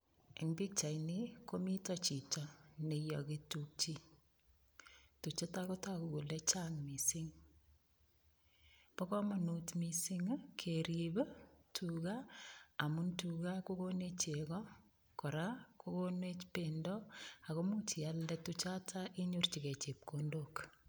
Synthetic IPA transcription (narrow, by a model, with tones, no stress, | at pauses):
e˨ŋbi˦k̚t͡ʃa˨jniko˦mi˦tɔ˦t͡ʃi˨tɔne˨jɔ˨ki˦tuk̚t͡ʃi˦ | tu˨t͡ʃa˦ta˦ko˦ta˦ku˨ku˨let͡ʃa˦ŋmi˨si˦ŋ | pɔ˦kɔ˦mɔ˨nutmi˨si˦ŋkʰeɾibtʰukaa˨muntuka˦ko˦ko˦ne˦t͡ʃe˨kɔ | kɔ˨ɾa˦ko˦konet͡ʃpendɔ˦a˨ko˦mu˦t͡ʃi˨a˦ldɛtut͡ʃa˦tʰaʔi˦ɲu˦rt͡ʃike˨t͡ʃe˨p̚kondok